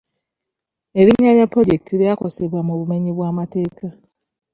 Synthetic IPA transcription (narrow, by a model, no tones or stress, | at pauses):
eɾiɲːaɾjapɾo̞ɟektʰiɾjako̞seβwamuβume̞ɲiβwaːmate̞ːka